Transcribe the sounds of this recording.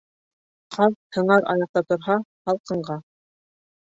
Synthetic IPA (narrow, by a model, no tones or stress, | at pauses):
qʰɑðhɤ̆ɴɑɾɑ̰jɑq̚t̪ɑt̪ŏɾɦɑhɑlˠqɤ̆ɴɢɑ